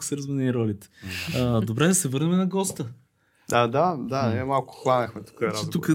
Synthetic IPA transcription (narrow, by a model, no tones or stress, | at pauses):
ksəɾzvɐniːɾɔlit̪ɛ̥ | d̪obɾɛd̪ɐsɛvɤɾnɛmɛnɐɡɔst̪ə | ad̪ad̪animalˠkʊ̥xlˠanəxmɛt̪u̥kəɾaɛukə